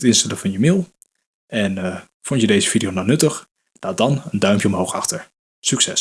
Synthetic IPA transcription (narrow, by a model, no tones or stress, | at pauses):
tɪnstɛləvɑnjəmeːlˠ | ɛn | fontjədejzəv̥idionanɵtəχ | d̥aːdɑnəndœɥmpjəɔmɦowχɑ̰χtəɹ | syksɛs